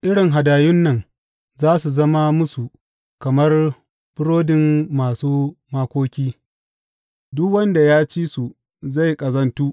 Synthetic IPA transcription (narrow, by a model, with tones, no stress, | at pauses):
ʔɪ˦ɽɪ˨ŋɦa˨daː˨jʊ˦nːɐ˨ŋ | zaː˦su˨zɐ˦ma˦mʊ˦su˨ | kɐ˨mɐ˦r | bʊ˦ɽoː˦dɪ˨mːaː˨suː˦maː˦kʷoː˦kʲiː˦ | dʊ˦kwɐ˦nda˨jaː˦t͡ʃiː˦su˨ | za˦˨jkʼɐ˨zɐ˦ntuː˦ʔ